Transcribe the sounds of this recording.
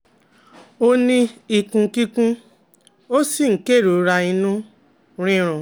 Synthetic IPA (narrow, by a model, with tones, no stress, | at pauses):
o˧nĩ˧i˨kũ˧ki˦kũ˦ | o˦si˦˨ŋ̩˨˦ke˦˨ɾo˨˦ɾa˧ĩ˧nũ˦ | ɾ̃ĩ˦ɾ̃ɔ̃˨